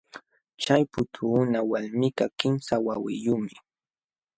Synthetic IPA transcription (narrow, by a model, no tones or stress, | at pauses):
t͡ʃajpʊt̪ʰuːnawalmɪkakɪmsawawɪjʊmɪ